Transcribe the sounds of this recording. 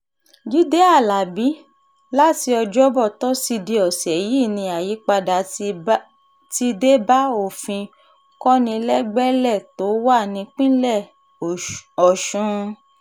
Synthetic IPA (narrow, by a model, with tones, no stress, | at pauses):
d͡ʒu˦de˦a˦˨la˨bi˨˦ | la˦ti˧ɔ˧d͡ʒɔ˦bɔ˦˨tɔ˨˦si˧di˧ɔ˨sɛ˨ji˦˨nĩ˧˦a˨ji˨˦k͡pa˧da˨ | ti˦de˦ba˦o˦˨fĩ˧ | kɔ˦nĩ˧lɛ˦ɡ͡bɛ˦lɛ˦˨to˨˦wa˦˨nĩ˨˧˦k͡pĩ˦lɛ˦˨ | ɔ˨ʃũ˧